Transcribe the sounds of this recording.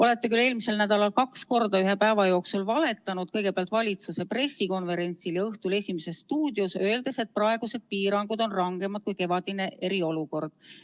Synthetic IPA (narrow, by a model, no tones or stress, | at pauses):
o̞le̞t̪ːekylːe̞ːlmise̞lnæd̪̥ɑlɑlkɑksko̞rd̪ɑyɦe̞pæːvɑjo̞ːksulvɑle̞t̪ːˑɑnud̪̥kɤjɡ̥epeɑlt̪ːˑvɑlʲit̪suse̞pre̞sːiko̞nve̞ɾe̞nʲt̪siljɑɤht̪ule̞sʲime̞se̞st̪uːd̪̥josø̞eld̪̥e̞se̞t̪̚prɑe̞ɡ̥use̞d̪̥̚piːɾɑŋɡ̥ud̪̥o̞nrɑŋɡ̥e̞mɑd̪̚kujke̞vɑd̪̥ine̞ʔe̞ɾio̞luko̞rd̪̥̚